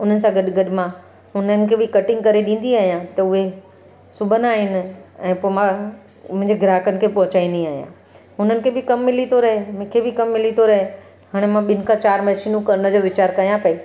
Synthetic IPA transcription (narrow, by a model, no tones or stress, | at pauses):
ʊn̤ənɪ̆sãɡɐɗɡɐɗɪmã | ɦʊnənɪ̆kʰebʱɪkɐʈɪ̃ŋɡ̚kɐɾeɗĩːn̆d̪iaːɦijãt̪ɐʊɦe | sʊbʱənaːɦɪnɪɛ̃ːpoːmã | mʊ̃ɦɪ̃ɲd͡ʑeɡɾaːəkənɪkʰepɐɦʊt͡ɕaːĩːn̆d̪iaːɦijã̰ | ɦʊnənɪ̆kʰebʱɪkɐmːɪlit̪ʰoɾɐɦem̃kʰebɪkɐmːɪlit̪ʰoɾɐɦe | ɦaːɽ̃emãɓɪnɪ̆kʰãt͡ɕaːɾmɛʃinũkɐɾnə̆d͡ʑoːʋɪt͡ɕaːɾkɐijãpɐi